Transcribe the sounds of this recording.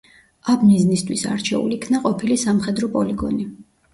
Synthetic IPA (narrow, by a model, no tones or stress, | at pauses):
abmiznist̪ʰwisa̰ɾt͡ʃʰɛ̰ṵlikʰnaqʼɔpʰilisamχɛd̪ɾɔpʼɔliɡɔ̰ni